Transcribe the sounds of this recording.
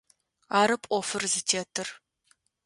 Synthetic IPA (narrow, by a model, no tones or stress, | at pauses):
aːɾɨpʼɔfɨrzɨtʰeːtʰɨr